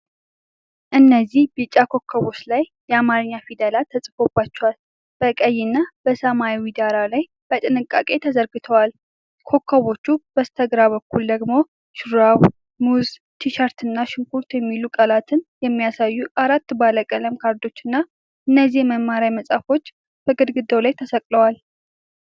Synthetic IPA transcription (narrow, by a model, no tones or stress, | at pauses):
ʔɨnːəzːihbɨt͡ʃʼːakʰo̞kʰːəβo̞t͡ʃlajːɛamaɾɨɲːafid̪əlat̪ʰəsʼfo̞bːat͡ʃːɛwal | b̥əkʼəjːɪnːab̥əsəmaiwid̪aɾalaj | b̥ət̪ʼɨnɨkʼːa̰kʼe̞t̪ʰəzəɾɡɨt̪ʰəwal | kʰo̞kʰːəβot͡ʃːub̥əst̪ʰəɡɾaβəkːuld̪əɡmo̞ | ʃɨɾaw | muz | t̪ʰiʃaɾt̪ɨnːaʃɪŋkʰuɾt̪jɛmːilukʼəlat̪ʰɨnjɛmːijasajːuʔaɾat̪ːbaləkʼələmkʰaɾd̪o̞t͡ʃːɨnːa | ʔɨnːəzihməmːaɾajməsʼafo̞t͡ʃː | b̥əɡɨd̪ɡɨd̪owlajt̪ʰəsəkʼləwal